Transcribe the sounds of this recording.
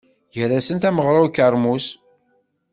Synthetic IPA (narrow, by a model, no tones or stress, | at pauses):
jəɾæsənt̪æməʁɾˤʊkəɾˤmus